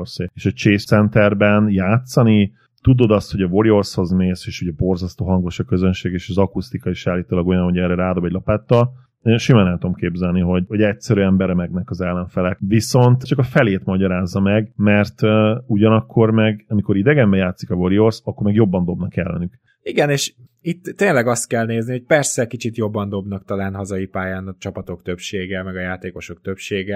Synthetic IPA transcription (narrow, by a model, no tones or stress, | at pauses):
rseːeːʃɒt͡ʃeːsɛnt̪ɛrbɛnjaːt̪sɒni | t̪ud̪o̞d̪ɒst̪ho̞ɟɒvo̞ɾio̞rsho̞zmeːseːʃuɟɛbo̞rzɒst̪oːɦɒŋɡo̞ʃɒkøzønʃeːɡeːʃɒzɒkust̪ikɒiʃaːlːiːt̪oːlɒɡo̞jɒnho̞ɟɛːrɾɛɾaːd̪o̞bɛɟlɒpaːt̪ːɒlː | ʃimaːnɛmt̪oomkeːbzɛlniɦo̞ɟho̞ɟɛcsɛɾyɛmbɛɾɛmɛɡnɛkɒzɛlːɛɱfɛlɛkviso̞nt̪t͡ʃɒkɒfɛleːt̪mɒɟɒɾaːzːɒmɛɡmɛrt̪uɟɒnɒkʰːo̞rmɛɡɒmiko̞ɾid̪ɛɡɛmbɛjaːt̪sikɒvo̞ɾio̞rsɒkːo̞rmɛɡjo̞bːɒnd̪o̞bnɒkɛ̰lːɛ̰nyk | iɡɛneːʃ | it̪ːeːnlɛɡɒst̪̚kɛlneːznioc̚pɛrsɛkit͡ʃit̪jo̞bːɒnd̪o̞bnɒkt̪ɒlaːnɦɒzɒjipaːjaːnɒt͡ʃɒpɒt̪o̞kt̪ø̞pʃeːɡɛmɛɡɒjaːt̪eːko̞ʃo̞k̚t̪øpʃeːɡɛ